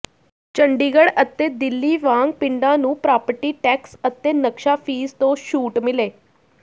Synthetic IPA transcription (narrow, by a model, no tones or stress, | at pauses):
t͡ʃəɳɖiːɡəɽət̪eːd̪ɪlːiːʋãːŋɡpɪɳɖãːnũːpɾaːpəɾʈiːʈɛːksət̪eːnəkʃaːpʰiːzt̪õːʃuːʈmɪleː